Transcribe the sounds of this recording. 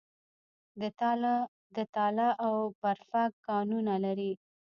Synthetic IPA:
d̪ət̪ɑlaʔawbaɾfakːɑnunalaɾi

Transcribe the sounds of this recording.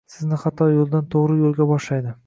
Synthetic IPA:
sɪznɪχat̪ʰːɒjolˠd̪ant̪ʰoʁɾɪjolˠɡʲabɒʃlajd̪ɪ

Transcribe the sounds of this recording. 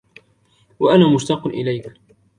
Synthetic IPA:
waʔanaːmʊʃt̪ɑqʔɪ̰lajk

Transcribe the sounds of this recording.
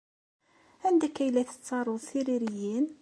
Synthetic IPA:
hænd̪ækːæjlæθə̥t͡sːɑɾˤoðsiɾiɾijin

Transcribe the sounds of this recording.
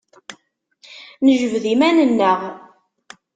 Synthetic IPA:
nəʒəvðimænənːəʁ

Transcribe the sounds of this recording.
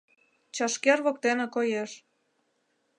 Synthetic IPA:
t͡ɕɑʃkerβok̚t̪enĕkojeʃ

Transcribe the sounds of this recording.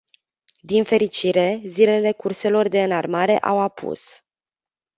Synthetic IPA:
d̪infe̞ɾit͡ʃiɾe̞zile̞le̞kurse̞lo̞rd̪e̞ɨnarmaɾe̞̰ʔawapʰṵs

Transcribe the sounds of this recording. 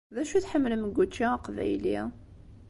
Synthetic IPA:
ðæʃuθħəmːləmɡʷːut͡ʃːiqvæ̰jlḭ

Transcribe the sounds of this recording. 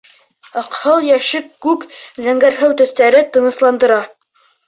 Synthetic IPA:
ɑqhɤlˠjæʃɘkːʉkzæŋɡæɾɦæwt̪ɵ̆θt̪æɾɘt̪ɤ̆nɤ̆slˠɑnd̪ɤ̆ɾɑ

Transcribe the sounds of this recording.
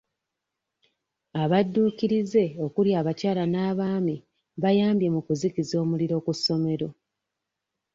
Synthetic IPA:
aβadːuːkiɾize̞o̞kuljaːβacaːlanaːβaːmi | βajaːmbje̞mukuzikizo̞ːmuliɾo̞kusːo̞me̞ɾo̞

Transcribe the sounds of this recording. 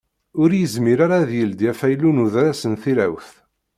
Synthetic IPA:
ʊɾjəzmiɾaɾaðjəld̪jæfæjlunuðɾæsənθiɾæ̰wθ

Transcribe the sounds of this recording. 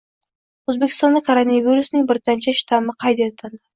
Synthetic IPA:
ɵzbekʲɪ̥st̪ɑnd̪əkʰoɾonavʲijɾusɪnɪŋbɪɾt̪ɑnt͡ʃɑʃt̪ɑməqʰɑjd̪et̪ʰɑnd̪ə

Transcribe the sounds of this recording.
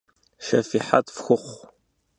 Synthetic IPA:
ʃɐfiħa̰t̪fxʊχʷ

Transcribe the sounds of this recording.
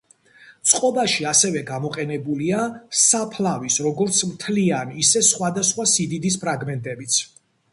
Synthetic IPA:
t̪sʼqʼɔbaʃiasɛvɛɡamɔqʼɛnɛbuliasapʰlavisɾɔɡɔɾt̪sʰmt̪ʰlianisɛsχwad̪asχwasid̪id̪is̬pʰɾaɡmɛnt̪ʼɛbit̪sʰ

